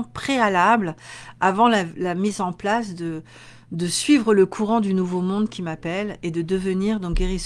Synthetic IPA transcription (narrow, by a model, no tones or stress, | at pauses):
pχealablavɑ̃lalamizɑ̃plasd̪ə | d̪əsɥivʁələkʰuʁɑ̃d̪ynuvomɔ̃d̪kʲimapɛled̪əd̪əvəniʁd̪ɔ̃k̚ɡʲeʁis